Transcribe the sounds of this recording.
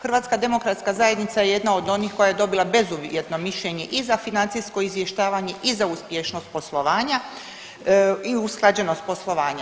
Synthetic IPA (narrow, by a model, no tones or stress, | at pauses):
xr̩ʋaːt̪skad̪e̞mo̞kɾat̪skazaje̞d̪nit̪sajeje̞d̪nao̞d̪o̞niːxko̞jajed̪o̞bilˠabe̞zuʋjet̪no̞miʃʎeɲe̞ʔizafinant̪sijsko̞izʋje̞ʃt̪aːʋaɲe̞ʔizauspjeʃno̞st̪̚po̞slˠo̞ʋaːɲa | iusklˠad͡ʑe̞no̞st̪̚po̞slˠo̞ʋaːɲa